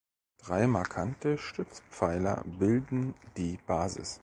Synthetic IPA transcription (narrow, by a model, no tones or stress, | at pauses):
d̥ʁaɪmaɐkʰantəʃtʏt͡spp͡faɪlɐ̰bɪldn̩d̥iːb̥aːzɪ̰s